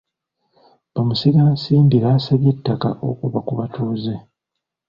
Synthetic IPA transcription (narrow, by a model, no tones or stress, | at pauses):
bamusiɡasiːndilasaβjetːaka̰ʔo̞̰kuβakuβatʰuze